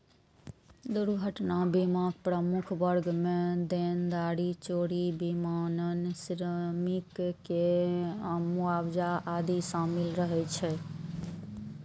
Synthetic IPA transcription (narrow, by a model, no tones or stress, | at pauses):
d̪uɾɡʱəʈnabimaɡpɾəmukʰbəɾɡmed̪end̪aɾit͡ʃoɽibimanənsɾəmikke | muabd͡ʒaʔad̪isamilɾəɦɛt͡ʃʰɛ